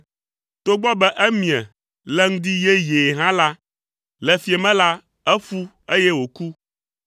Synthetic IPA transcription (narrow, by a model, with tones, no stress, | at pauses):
t̪o˦ɡ͡bɔ˦bɛ˦ʔɛ˦mĩ˨ɛ˨ | lɛ˦ŋ̩˦d̪i˦jɛ˦je˨ɦã˦la˦ | lɛ˨fi˨e˨mɛ̃˦la˦ | ɛ˦fu˦ | e˦jɛ˦wo˨ku˦